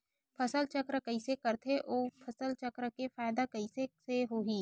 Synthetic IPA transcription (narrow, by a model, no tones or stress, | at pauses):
pʰɐsəlt͡ʃɐkɾəkɐisekɐɾt̪ʰeʔoːpʰɐsəlt͡ʃɐkɾəkefaːɪd̪akɐiseseɦoːɦiː